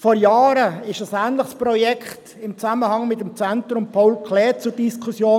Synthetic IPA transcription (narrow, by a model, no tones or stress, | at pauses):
fɔɾjaːɾəɪʃəsæːnləχspɾɔjɛkʰt | ɪmt͡saməhɑŋmɪtəmt͡sɛntɾʊmpʰawlkʰlɛːt͡sʊɾd̥iskʰusjoː